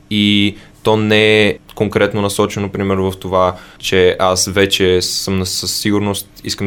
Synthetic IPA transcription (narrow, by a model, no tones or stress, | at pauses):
i | t̪ɔnɛɛkoŋkɾɛt̪nonɐsɔt͡ʃɛnopɾimɛɾnvəft̪ovat͡ʃɛasvɛt͡ʃɛsɤmnɐsəsːiɡʊɾnost̪ḭskəm